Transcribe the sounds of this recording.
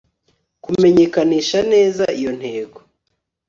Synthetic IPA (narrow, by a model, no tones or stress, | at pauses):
kume̞ɲe̞kaniːʃane̞ːzaijo̞n̥he̞ːɡo